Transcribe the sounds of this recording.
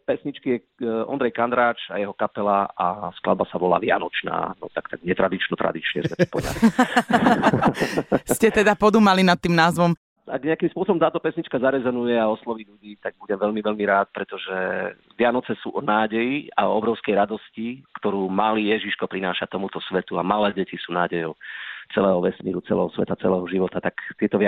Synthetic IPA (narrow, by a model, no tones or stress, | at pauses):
pɛsɲit͡ʃkijɛ | ɔ̰nd̪ɾɛjkand̪ɾaːt͡ʃajɛɦɔkapɛlaaskla̰d̪basaʋɔla̰ːʋɪa̰nɔt͡ʃna̰ːnɔ̰t̪akt̪aɡɲɛt̪ɾad̪it͡ʃnɔt̪ɾa̰d̪it͡ʃɲɛ̰sɛpɔɲa̰ | scɛt̪ɛd̪apɔd̪uːmalinat̪ːiːmnaːzʋɔm | a̰ɡɲɛakimspʊɔsɔbɔmt̪aːt̪ɔpɛsɲit͡ʃkazaɾɛzɔnujɛaɔslɔʋiːʎuɟiːt̪aɡ̚buɟɛmʋɛʎmiʋɛʎmiɾaːt̪̚pɾɛt̪ɔʒɛ | ʋɪanɔt͡sɛsṵːʔɔnaːɟɛjia̰ɔɔbɾɔʊskɛjɾad̪ɔscikt̪ɔɾuːmaliːjɛʒiʃkɔpɾinaːʃat̪ɔmut̪ɔsʋɛt̪uamalɛːɟɛcisuːna̰ːɟɛjɔʊt͡sɛlɛːɦɔʋɛsmiːɾut͡sɛ̰lɛ̰ːɦɔsʋɛ̰t̪at͡sɛlɛːɦɔʒiʋɔt̪at̪akt̪ɪɛt̪ɔʋa